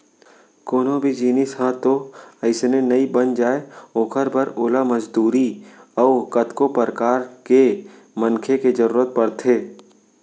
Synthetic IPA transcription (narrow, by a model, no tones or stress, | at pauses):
koːnõbʱid͡ʒiːnɪshãt̪oɐɪsnenɐibənd͡ʒaːeoːkʰəɾbʱəɾoːlaməd͡ʒd̪uːɾiɔːkət̪kopəɾkaːɾke | mənkʰeked͡ʒəɾuːɾət̪̚pəɾt̪ʰeː